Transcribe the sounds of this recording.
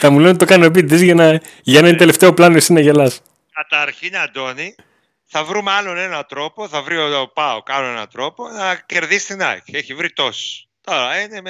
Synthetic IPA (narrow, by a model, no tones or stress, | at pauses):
t̪ɐmulot̪it̪o̞kɐnop̬id̪izʝɐnɐ | ʝɐenɐt̪ele̞ft̪e̞o̞plɐnoisinɐʝelɐs | kɐt̪ɐɾçinɐnd̪o̞ni | θɐvɾumɐlo̞ne̞nɐt̪ɾo̞poθɐvɾiopɐokɐnoenɐ̰t̪ɾo̞po̞nɐce̞ɾðist̪inɐ̰ʝieçivɾit̪o̞si̥ | t̪oɾɐine